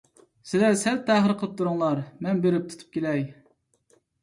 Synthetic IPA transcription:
sɪlɛsɛlt̪ʰːæɦəɾqʰəlˠəp̚t̪ʰuɾʊŋlˠɑɾmɛnbeɾɪp̚t̪ʰu̥t̪ʰu̥p̚kʲelɛj

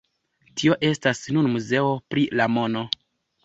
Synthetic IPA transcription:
tʰio̞ʔe̞stasnunmuze̞o̞pɾilamo̞no̞

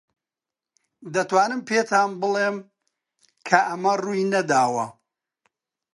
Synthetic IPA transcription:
d̪ɐt̪waːnɨmpʰeːt̪ʰaːnbɨlˠeːm | kʰɐʔɐmɐruːjnɐd̪aːwɐ̰

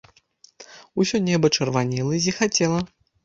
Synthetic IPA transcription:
usʲɔnʲɛbɐt͡ʂɐrvanʲɛlˠɐizʲixat͡sʲɛlˠɐ

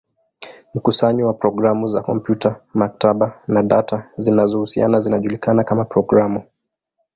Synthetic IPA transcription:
m̩kusaɲiwapɾɔɡɾamuzakɔmpjutʰamak̚taɓanaɗatazinazɔhusia̰nazinaʄulikanakamapɾɔɡɾamu

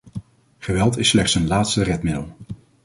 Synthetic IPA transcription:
χəʋɛlˠtɪsːlɛχtsənlaːtstərɛtmɪdə̰lˠ

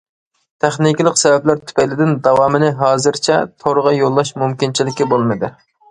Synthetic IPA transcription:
t̪ʰæχnɪkʲilˠəqsɛvɛplæɾt̪ʰy̥pɛjlɪd̪ɪnd̪ɑwɑːmɨnɪɦɑːzɨɾt͡ʃʰɛ̰t̪ʰoɾʁɑjolˠːɑʃmumkʲint͡ʃʰilɪkʲibolˠmɨd̪ɨ

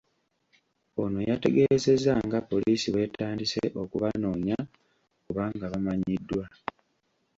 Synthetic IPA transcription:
o̞nojate̞ɡe̞ze̞zaŋɡapːo̞liːsiβwe̞ːtʰaːndise̞̰ʔo̞kuβano̞ːɲa | kuβaːŋɡaβamaɲidːwa

